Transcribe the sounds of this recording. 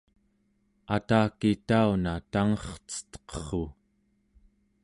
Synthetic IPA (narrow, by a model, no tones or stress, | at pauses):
at̪aːkit̪aunat̪aŋʌχt͡sə̥t̪qχo